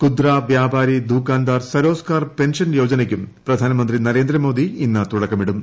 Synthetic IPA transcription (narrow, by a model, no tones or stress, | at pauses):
kud̪ɾaːʋjaːbʱaːɾid̪ʱuːkaːnd̪aːrsɐɾo̞ːskaːrpe̞nʂɐnjo̞ːd͡ʑɐnekʲːumpɾɐd̪ʱaːnɐmɐnd̪ɾinɐɾe̞ːnd̪ɾɐmo̞ːd̪iinːɐt̪uɽɐkːɐmiɽum